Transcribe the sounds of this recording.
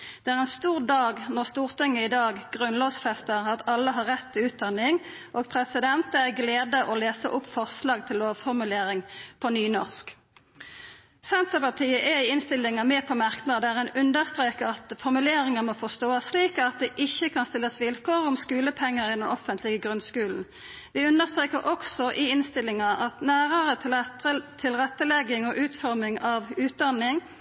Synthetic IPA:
d̪̥ɛæːʁɛnst̪uːʁd̪ɑːɡnɔʁst̪uːʁt̪ɪŋːəɪd̪ɑːɡɡʁʉnloːsfɛst̪əʁɑt̪ɑlːəɦɑʁɛt̪ʰːɪlʉːt̪̚d̪ɑnːɪŋʔoːɡpʰʁɛsɪd̪ɛnt̪əæɡleːd̪əʔɔleːsəʔʊpfɔʁslɑːɡt̪ʰɪlːoːʋfɔʁmʉleːʁɪŋpʰɔnyːnɔʁsk | sɛnt̪əpɑʁt̪ʰiːəʔɛɪɪnst̪ɪlːɪŋɑmɛːpʰɔmɑʁknəd̪əd̪æʁɛnʉnd̪əʁst̪ʁeːkəʁɑt̪fɔʁmʉleːɾɪŋəmɔːfɔst̪oːɑssliːkɑt̪̚d̪ɛːʔɪçːəkʰɑnst̪ɪlːəsʋɪlkoːʁʊmskʉːləpʰɛŋːəʁɪd̪ɛnɔfənt̪ʰlɪɡəɡʁʉnskʉːln̩ | ʋɪːʉnd̪əʁst̪ʁeːkəʁʔɔksɔʔɪɪnst̪ɪlɪŋɑɑt̪næːʁəʁə | t̪ʰɪlʁɛt̪ːəlɛɡɪŋɔʔʉːt̪fɔʁmɪŋɑʋʉːt̪̚d̪ɑnːɪŋ

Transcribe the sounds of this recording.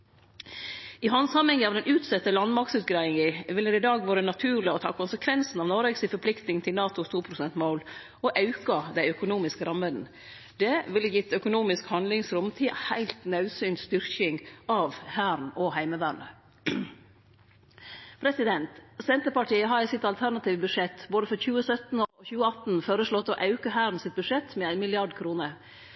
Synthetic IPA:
ɪɦɑnshɑmɛŋːəɑːʋd̪ɛnʉːt̪sɛt̪ːəlɑnmɑɾk̚tsʉːt̪ɡɾɑɪɪŋiʋɪld̪ɛɾɪd̪ɑːɡʋoːɾənɑt̪ʰʉːɾɭɪɔt̪ʰɑ̰ːkʰʊnsəkʰʋɛnsn̩ɑʋnɔɾeːɡsɪfɔɾpʰlɪkt̪nɪŋn̩t̪ʰɪlnɑːt̪ʊst̪ʰuːpʰɾʊsɛnt̪moːl | ɔʔɑʉkɑd̪æɪœkʊnuːmɪskəɾɑmːəd̪n̩ | d̪̥ɛʋɪlːəjɪt̪ːœkʊnuːmɪskhɑnd̪lɪŋsɾʊmt̪ʰiːhæɪlt̪nɑʉsyːnst̪ʏɾkɪŋʔɑʋhæːɾnɔhæɪməʋæːɳə | pʰɾɛsɪd̪ɛnt̪sɛnt̪əpɑʈʰiːəɦɑɾæɪsɪt̪ɑlt̪ʰæɾɳɑt̪iːʋəbʉʂɛt̪ːboːd̪əfɔɾçʉːəsœt̪nɔçʉːəɑt̪n̩foːɾəʂɭɔt̪ːɔʔɑʉkəɦæːɾn̩sɪt̪̚bʉʂɛt̪mɛæɪnmɪlɪɑɖkʰɾuːnəɾ

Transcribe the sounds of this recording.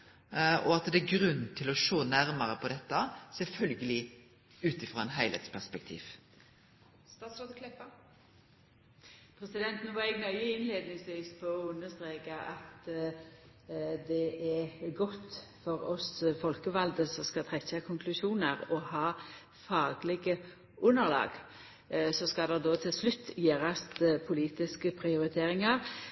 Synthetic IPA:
ɔɑt̪d̪ɛæɡɾʉnːt̪ʰɪlɔʃoːnæɾməɾəpʰɔd̪ɛt̪ːəsɛlfœlɡəlɪ | ʉːt̪ɪfʁɑːɛnɦæɪlhɛ̰t̪spʰæspɛk̚t̪ʰḭːʋ | st̪ɑːt̪sɾoːd̪əkʰlɛpːə | pʰɾɛsɪd̪ɛnt̪nuːʋɑʁɛɡnœʏəɪnleːd̪nɪŋsʋiːspʰɔɔʉnːəst̪ɾeːkəʔɑt̪ | d̪ɛʔɛɡɔt̪ːfɔɾɔsfɔlkəʋɑld̪əsɔskɑt̪ʰʁɛçɑkʰɔŋkʰlʉʃuːnəʁɔhɑː | fɑːɡlɪɡə | ʔʉnːəʁlɑ̰ːɡ | sɔskɑd̪ɛd̪ɔːt̪ʰɪlslʉt̪ːjeːʁɑst̪pʰʊliːt̪ɪskəpʰʁɪʊɾɪt̪ʰeːɾɪŋəʁ

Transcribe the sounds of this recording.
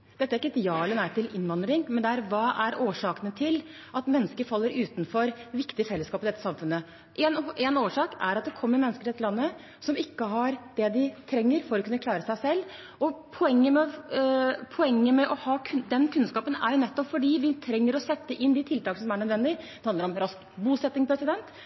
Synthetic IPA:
d̪̥ɛt̪ːæɾɪkːəɪd̪ɪɑːlənæɪt̪ʰɪlʔɪnʋɑnd̪ɾɪŋmɛnd̪ɛæɾʋɑːʔæɾoːʂɑːkənət̪ʰɪl | ʔɑt̪mɛnːəskəɾfɑlːəɾʉːt̪nfɔɾʋɪkt̪ɪfɛlːəskɑːpɪd̪ɛt̪ːəsɑmfʉnːə | ʔɛnenoːʂɑːkæɾɑt̪̚d̪ɛkʰɔmːəɾmɛnəskəɾɛt̪ʰːəlɑnːə | sɔmɪkːəɦɑɾd̪̥ɛd̪ɪt̪ʰɾɛŋːəɾfɔɾɔkʰʉnːəklɑːɾəsæɪsɛlː | ɔpʰɔɛŋːəmɛ | pʰɔɛŋːəmɛʔɔhɑːkʰʉnd̪ɛnkʰʉnskɑːpənæ̰ɾjʊnɛt̪ːɔpfɔɖiːʋɪt̪ʰɾɛŋːəɾɔsɛt̪ːəʔɪnd̪ɪt̪ʰɪlt̪ɑːkənəsɔmæɳœd̪ʋɛnd̪ɪd̪̥ɛhɑnd̪əɾɔmɾɑsk | buːsɛt̪ːɪŋpʰɾɛsɪd̪ɛnt̪

